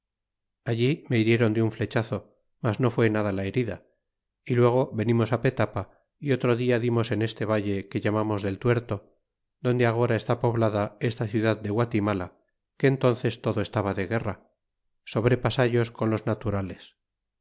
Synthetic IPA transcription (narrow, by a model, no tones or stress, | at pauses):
aʎimeiɾje̞ɾo̞nd̪euɱfle̞t͡ʃaθo̞ | mazno̞fwe̞naðalae̞ɾiða | ilwe̞ɣ̞o̞βe̞nimo̞sape̞t̪apa | io̞t̪ɾo̞ðiaðimo̞se̞ne̞st̪e̞βaje̞ke̞ʎamamo̞zðe̞lt̪we̞ɾt̪o̞ | ðo̞nd̪eaɣ̞o̞ɾae̞st̪apo̞βlaðae̞st̪aθjuðaðd̪e̞ɣwat̪imala | ke̞ːnt̪o̞nθe̞st̪o̞ðoe̞st̪aβaðe̞ɣe̞ra | so̞βɾe̞pasaʝo̞sko̞nlo̞znat̪uɾale̞s